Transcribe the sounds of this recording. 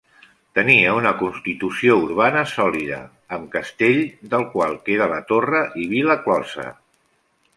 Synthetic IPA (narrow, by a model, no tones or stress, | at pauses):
t̪əniəunəkunst̪it̪usiouɾβ̞anəsɔliðə̰ː | mkəst̪eʎd̪əlˠkwalˠkeɾələt̪orəʔiβiləklɔsə̰